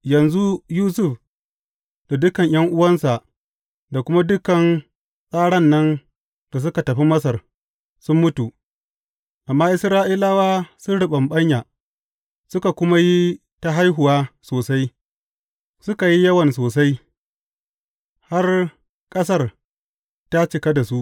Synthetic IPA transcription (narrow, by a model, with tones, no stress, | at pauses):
jɐ˨nzu˦juː˦sʊ˦˨ɸ | da˨dʊ˦kɐ˨ɲj̰ɐ˦ŋʔʊ˦wɐ˦nsa˨ʔ | da˨kʷʊ˦ma˦dʊ˦kɐ˨n | sʼaː˦ɽɐ˦˨nːɐ˦n | d̥a˨s̬ʊ˦ka˨tɐ˨ɸi˦mɐ˦s̬ɐ˨r | sʊ˦mːʊ˦tu˨ | ʔa˨mːaː˦ʔɪ˦sɾaː˦ʔiː˦laː˦waː˦sʊ˦nɽʊ˨ɓɐ˨mɓɐ˦ɲja˨ | sʊ˦ka˨kʷʊ˦ma˦ji˦ | ta˦ɦa˦jɦʊ˨waː˦soː˨sa˦j | sʊ˦ka˨ji˦jɐ˦wɐ˨nsoː˨sa˦j | ha˦r | kʼɐ˦s̬ɐ˦˨r | ta˦t͡ʃɪ˨ka˦da˨su˦ʔ